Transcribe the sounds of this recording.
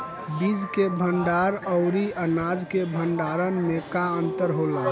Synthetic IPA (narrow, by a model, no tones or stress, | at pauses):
bid͡ʒkebʱəɳɖaɾəʊɾiənad͡ʒkebʱəɳɖaɾənmekaənt̪əɾɦola